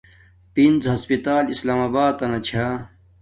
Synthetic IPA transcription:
pinzɦɐspit̪aːlislaːmaːbaːd̪ɐnɐt͡ɕʰa

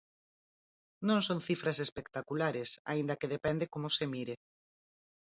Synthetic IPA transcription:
nõŋsonθifɾasespekt̪akulaɾesa̰ind̪ɐkeðepɛnd̪ekomʊsemiɾe

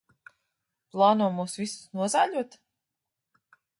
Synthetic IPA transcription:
plˠɑːnuɔmuːsvisu̥snuɔzaːʎʲuɔt̪

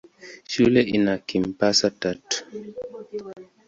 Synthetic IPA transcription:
ʃulɛʔinakim̩pasatat

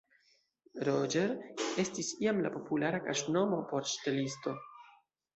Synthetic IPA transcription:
ɾod͡ʒeɾe̞stisiamla̰po̞pulaɾakaʃno̞mopo̞ɾt͡ʃi̥te̞listo̞

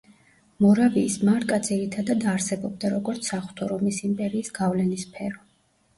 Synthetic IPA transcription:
mɔɾaviːsmaɾkʼad̪zʰʼiɾit̪ʰad̪ad̪aɾsɛbɔb̚d̪aɾɔɡɔɾt̪sʰaχu̥t̪ʰɔɾɔmisimpʼɛɾiːsɡ̥avlɛnispʰɛɾɔ

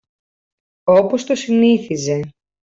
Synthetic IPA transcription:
o̞post̪o̞siniθize̞

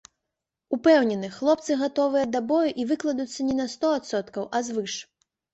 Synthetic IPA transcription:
upɛwnʲɛnɨxlˠɔp̚t̪sɨɣat̪ɔvɨjɐd̪ɐbɔjuʔivɨklˠɐd̪ut̪sːɐnʲɛnɐst̪ɔat̪sɔt̪kɐwʔɐzvɨʂ

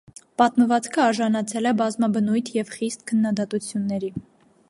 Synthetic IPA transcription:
pɑt̪məvɑt͡skʰəɑɾʒɑnɑt͡sʰɛlɛbɑzmɑbənujt̪ʰjɛvχist̪̚kʰənːɑd̪ɑt̪ut͡sʰjunːɛɾi

